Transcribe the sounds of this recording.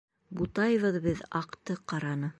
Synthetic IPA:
but̪ɑjɤ̆βɤðbɘðɑqt̪ɤqɑɾɑnɤ

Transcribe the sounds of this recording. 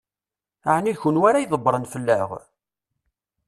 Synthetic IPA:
aʕniçʊnwaɾajðˤəbːɾˤənfəlːə̰ʁ

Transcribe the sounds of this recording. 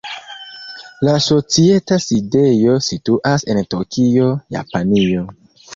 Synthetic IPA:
laso̞t͡sie̞taside̞jo̞situʔase̞ntokio̞ja̰panio̞

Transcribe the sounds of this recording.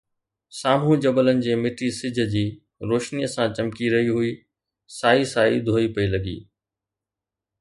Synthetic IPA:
saːm̤ũd͡ʑɐbələnɪ̆d͡ʑeːmɪʈisɪd͡ʑʱd͡ʑiː | ɾoːʃnijəsãt͡ɕɐmkiɾɐɦiɦʊi | saːisaːḭd̪ʱoːipɐilɐɡḭː

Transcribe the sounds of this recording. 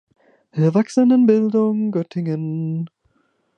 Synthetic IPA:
ɪɐvaksənənbɪldʊŋɡœtʰɪŋən

